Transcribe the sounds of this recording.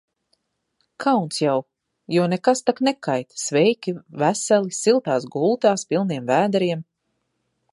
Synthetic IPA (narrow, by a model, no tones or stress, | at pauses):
kʰawnsjaw | jɔɔnekast̪aknɛkajt̪svɛjkʲivæsɛlisilˠt̪aːsɡulˠt̪aːspilˠniɛmvæːd̪aɾiɛm